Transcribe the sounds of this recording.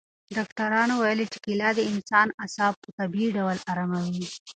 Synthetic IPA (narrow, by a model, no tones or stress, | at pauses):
ɖɑkʈ̪aɾɑnowajəlit͡ʃɪ̥kɪlɑd̪əɪnsɑnasɑb̚pət̪abiɖawalaɾamawi